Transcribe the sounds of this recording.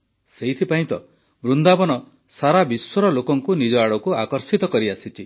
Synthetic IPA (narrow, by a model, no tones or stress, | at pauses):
seɦit̪ʰipaĩt̪ɔ | bɾund̪abɔnɔ | saɾabiswɔɾɔlokɔŋkunid͡ʒɔaɽɔkuakɔɾsit̪ɔkɔɾiasit͡ʃʰi